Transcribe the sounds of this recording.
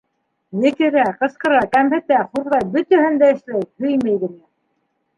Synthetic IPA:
nɘ̆kɘ̆ɾæqɤ̆sqɤ̆ɾɑkæmhɘ̆t̪æχuɾðɑjbɵ̆t̪æhɘ̆nd̪æɘ̆ʃlæjhɵjmæjɡɘ̆ŋæ

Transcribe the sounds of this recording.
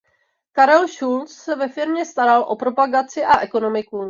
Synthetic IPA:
kaɾɛlʃult͡ssɛvɛfɪɾmɲɛst̪aɾalʔo̞̰pɾo̞paɡat͡sɪʔaʔɛko̞no̞mɪku

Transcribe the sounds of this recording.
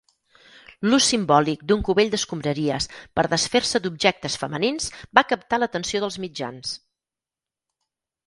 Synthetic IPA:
lusimbɔlik̚d̪uŋkuβeʎd̪əskumbɾəɾiəspəɾðəsfeɾsəd̪ubʒɛk̚t̪əsfəməninsbakəp̚t̪alət̪ənsioðəlˠzmid͡ʒa̰ns

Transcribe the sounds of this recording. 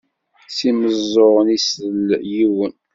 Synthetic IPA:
siməzˤːoʁənisəljiwən

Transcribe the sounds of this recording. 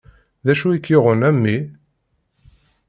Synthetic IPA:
ðæʃuikːoʁənæmːi

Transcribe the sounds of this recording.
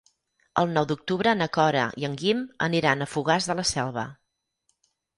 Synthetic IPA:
ə̰lˠnɔwd̪uk̚t̪uβɾəːnəkɔɾə̰iəŋɡimə̰niɾanəfuɣ̞azðələsɛlˠβə

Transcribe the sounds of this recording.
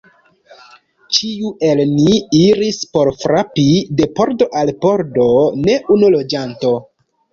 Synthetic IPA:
t͡ʃiue̞lniiɾispo̞ɾfɾapide̞po̞ɾdo̞ʔalpo̞ɾdo̞ne̞ʔunulo̞d͡ʒanto̞

